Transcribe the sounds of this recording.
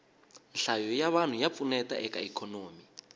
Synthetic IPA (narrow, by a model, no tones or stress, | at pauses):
n̩ɬajɔjaβan̤ujap̪funɛtaʔɛka̰ikʰɔnoːmi